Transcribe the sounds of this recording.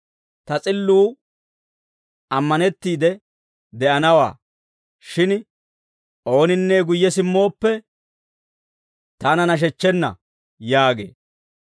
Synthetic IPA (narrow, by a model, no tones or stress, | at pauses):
t̪ɐt͡sʼɪlːuː | ɐmːɐnɛt̪ːiːd̪ɛ | d̪ɛʔɐnɐwa̰ː | ʃɪn | ʔo̞ːnɪnːeːɡʊjːɛsɪmːo̞ːpːɛ | t̪ɐnɐnɐʃ̬ɛt͡ʃːɛnːɐ̰ | jaːɡe̞̰ː